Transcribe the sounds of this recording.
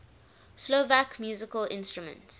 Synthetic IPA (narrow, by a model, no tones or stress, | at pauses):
slovakmjuːzɪkəlɪ̰̃nstɹumə̰̃nts